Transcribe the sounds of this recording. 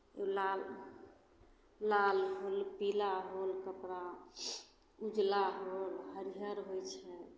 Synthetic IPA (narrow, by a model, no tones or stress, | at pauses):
elal | alɦolpilaɦolkəpɾa | ud͡ʒlaɦolɦəɾiɦəɾɦojt͡ʃʰɛ